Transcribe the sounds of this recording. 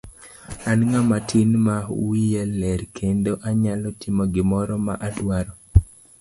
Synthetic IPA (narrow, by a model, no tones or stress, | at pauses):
anŋamatʰinmawijelːɛɾkʰendoʔaɲalɔtʰɪmɔɡɪmɔɾɔma̰ʔadwaɾɔ